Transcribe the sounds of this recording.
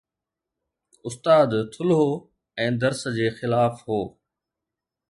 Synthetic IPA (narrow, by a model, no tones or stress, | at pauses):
ʊst̪aːd̪t̪ʰʊlɦo | ɛ̃ːd̪ɐɾsəd͡ʑeːxɪlaːfɦoː